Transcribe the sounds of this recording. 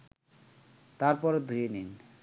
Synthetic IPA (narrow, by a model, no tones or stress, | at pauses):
t̪aɾpɔɾed̪ʱuenin